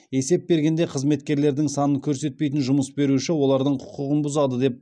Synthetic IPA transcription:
e̞se̞pp̚be̞ɾɡʲe̞nd̪e̞qʰəzme̞t̪̚kʲe̞ɾle̞ɾd̪ɪŋsɑnəŋkʲʰɵɾse̞t̪̚pe̞jt̪̬ɪnʒʊməsbe̞ɾuʃɪwo̞lˠɑɾd̪əɴqʰʊ̥qʊʁənbʊzɑd̪əd̪e̞p̚

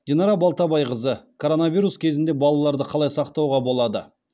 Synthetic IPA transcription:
d̪̥ʲenɑɾɑbɑlˠt̪ɑbɑjqəzəkʰo̞ɾo̞navʲijɾuskʲʰe̞zɪnd̪e̞bɑlˠɑlˠɑɾd̪əqʰɑlˠɑjsɑqt̪ɑwʁɑbo̞lˠɑd̪ə̰

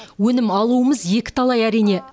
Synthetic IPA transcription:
wɵnɪmɑlˠuəməzje̞kʲɪ̥t̪ʰɑlˠɑjæɾijne̞

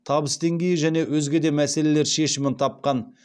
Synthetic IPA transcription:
t̪ʰɑbəsd̪e̞ŋɡʲe̞jɪʒæne̞wɵzɡʲe̞d̪e̞mæse̞le̞le̞ɾʃe̞ʃɪmɪnt̪ʰɑp̚qɑn

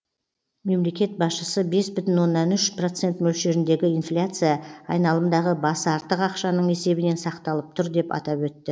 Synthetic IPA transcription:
me̞mle̞kʲe̞t̪̚bɑsʃəsəbe̞sbʏt̪ɪnwo̞nːɑnʏʃpro̞t̪se̞nt̪mɵlʃe̞ɾɪnd̪e̞ɡʲɪijnflʲat̪sɨjaɑjnɑlˠəmd̪ɑʁəbɑsɑɾt̪əqɑqʃɑnəɴe̞se̞bɪne̞nsɑqt̪ɑlˠəp̚t̪ʰʊɾd̪e̞pɑ̰t̪ɑpwɵt̪ːɪ

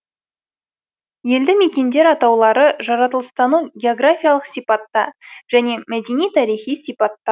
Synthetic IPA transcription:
je̞ld̪ɪme̞kʲe̞nd̪e̞ɾɑt̪ɑwlˠɑɾəʒɑɾɑt̪əlˠəst̪ɑnuɡʲeo̞ɡrafʲijalˠəqsijpɑt̪ːɑ̰ʒ̥æne̞mæd̪e̞nijt̪ʰɑɾijχijsijpɑt̪ːɑ

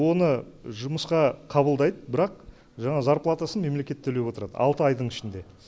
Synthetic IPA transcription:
wo̞nə | ʒʊməsqɑqʰɑbəlˠd̪ɑjd̪əbɪɾɑq̚ | ʒɑɴɑzɑɾplˠat̪asənme̞mle̞kʲe̞t̪ʰːɵle̞bwo̞t̪əɾɑ̰d̪ə̰ɑ̰lˠt̪əɑjd̪əɴɪʃɪnd̪e̞

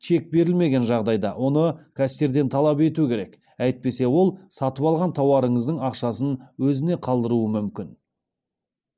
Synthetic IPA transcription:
ʃe̞k̚be̞ɾɪlme̞ɡʲe̞nʒɑʁd̪ɑjd̪ɑ̰wo̞nəkʲʰæst̪ʲeɾd̪e̞nt̪ʰɑlˠɑpe̞t̪ukʲʰe̞ɾe̞k | æjt̪̚pe̞se̞wo̞lˠsɑt̪əpɑlˠʁɑnt̪ʰɑwɑɾəɴəzd̪əɴɑqʃɑsənwɵzɪne̞qʰɑlˠd̪əɾuəmʏmkʲɪn

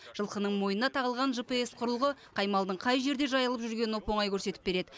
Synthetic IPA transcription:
ʒ̥əlˠqənəɴmo̞jnənɑt̪ʰɑʁəlˠʁɑnʒɨpeesqʰʊɾəlˠʁəqʰɑjmɑlˠd̪əɴqʰɑjʒe̞ɾd̪e̞ʒɑjəlˠəpʒʏɾɡʲe̞nopo̞ɴɑjkʲʰɵɾse̞t̪ɪp̚be̞ɾe̞d̪ɪ

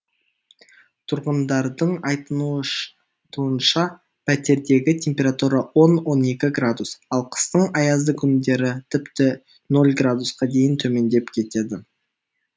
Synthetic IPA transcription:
t̪ʰʊɾʁənd̪ɑɾd̪əɴɑjt̪ənu | t̪uənʃɑ | pʰæt̪e̞ɾd̪e̞ɡʲɪt̪ʰʲe̞mpʲe̞ɾat̪uɾɑwo̞nwo̞ne̞kʲɪɡrad̪usɑlˠqʰə̥st̪əɴɑjɑzd̪əkʲʰʏnd̪e̞ɾɪt̪ʰɪpt̪ɪ | no̞lˠɡrad̪usqɑd̪e̞jɪnt̪ʰɵme̞nd̪e̞pkʲʰe̞t̪e̞d̪ɪ

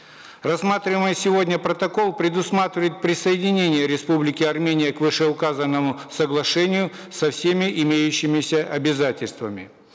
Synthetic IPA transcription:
rɐsmat̪ɾʲɪməjsʲɪvo̞dʲnʲəpɾət̪ɐko̞lˠpɾʲɪd̪ʊsmat̪ɾʲɪvəjɪt̪̚pɾʲɪsəjɪdʲɪnʲenʲɪjəɾʲɪspublʲɪkʲɪɐrmʲenʲɪjəkvɨʂɛʊkazənːəmʊsəɡlˠɐʂɛnʲɪjʊ | sɐfsʲemʲɪʔɪmʲejʉɕːɪmʲɪsʲəʔɐbʲɪzatʲɪlʲst̪vəmʲɪ

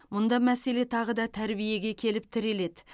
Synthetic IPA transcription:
mʊnd̪ɑmæse̞le̞t̪ʰɑʁəd̪ɑt̪ʰæɾbije̞ɡʲe̞kʲʰe̞lɪp̚t̪ʰɪɾe̞le̞d̪ɪ

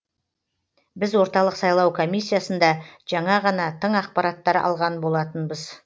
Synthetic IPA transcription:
bɪzwo̞ɾt̪ɑlˠəqsɑjlˠɑwkʰo̞mijsːijasənd̪ɑʒ̥ɑɴɑʁɑnɑt̪ʰəɴɑq̚pɑɾɑt̪ːɑɾɑ̰lˠʁɑnbo̞lˠɑt̪ənbəz

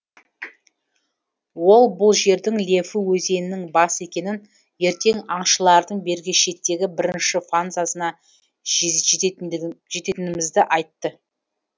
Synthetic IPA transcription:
wo̞lˠbʊlˠʒe̞ɾd̪ɪŋlʲe̞fɪwɵze̞nɪnɪŋbɑsəe̞kʲe̞nɪn | je̞ɾt̪e̞ŋɑɴʃəlˠɑɾd̪əɴbe̞ɾɡʲɪʃe̞t̪ːe̞ɡʲɪbɪɾɪnʃɪfanzasənɑ | ʒe̞t̪e̞t̪ɪnɪmɪzd̪ɪʔɑjt̪ːə

